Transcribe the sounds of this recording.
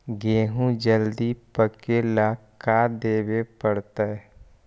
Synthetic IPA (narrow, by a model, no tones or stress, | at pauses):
ɡeːɦũd͡ʒəld̪ipəkelakad̪eːwepəɽt̪aɛ